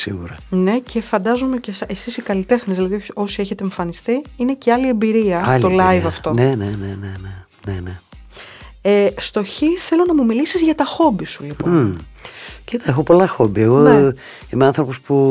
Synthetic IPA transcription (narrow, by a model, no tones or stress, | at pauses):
sḭɣṵɾɐ̰ne̞ce̞fɐnd̪ɐzome̞ce̞sesisikɐlit̪e̞xnizðilɐðioo̞sie̞çet̪eːɱfɐnist̪iine̞ceɐlie̞mbiɾiɐɐt̪olɐjivɐft̪o̞nenenenene | nene | est̪o̞çiθe̞lo̞nɐmumilisizʝɐt̪ɐxo̞bisulipo | cit̪ɐexo̞po̞lɐxo̞bieɣo | imeɐ̃nθɾo̞pospu